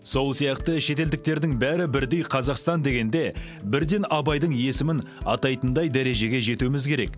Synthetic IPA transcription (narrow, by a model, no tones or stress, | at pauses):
so̞lˠsijɑqt̪əʃe̞t̪e̞ld̪ɪk̚t̪e̞ɾd̪ɪŋbæɾɪbɪɾd̪e̞jqʰɑzɑqst̪ɑnd̪e̞ɡʲe̞nd̪e̞ | bɪɾd̪e̞nɑbɑjd̪əɴe̞sɪmɪnɑ̰t̪ɑjt̪ənd̪ɑjd̪æɾe̞ʒe̞ɡʲe̞ʒe̞t̪uɪmɪzkʲʰe̞ɾe̞k